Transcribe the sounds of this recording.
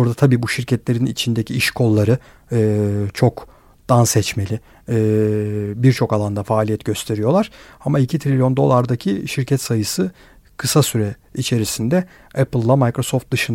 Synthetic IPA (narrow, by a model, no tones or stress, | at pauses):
oɾd̪at̪ʰabiːbuʃiɾcʰɛt̪lʲe̞ɾinit͡ʃʰind̪ecʰiiʃkʰo̞lˠːaɾɯː | t͡ʃʰo̞k | d̪̥ansɛt͡ʃme̞lʲɪ | biɾt͡ʃʰo̞kalˠand̪afaːlʲijɛt̪ɟø̞st̪ʰe̞ɾijo̞lˠaɾ̥amailʲcʰit̪ʰɾilʲjo̞nd̪o̞lˠaɾd̪acʰiʃiɾcʰɛt̪sajɯsɯ | kʰɯsasyɾɛ | it͡ʃʰe̞ɾisind̪ɛ | ɛpɯlˠːamajkɾo̞soft̪̚d̪ɯʃɯn